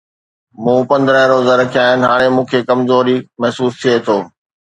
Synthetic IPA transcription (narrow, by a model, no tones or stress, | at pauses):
mũːpɐ̃nd̪ɾəɦɾoːzəɾɐkʰijaːɦɪnɪ̆ɦaːɽ̃emũːkʰekɐmzoːɾimɐɦsuːst̪ʰiet̪ʰoː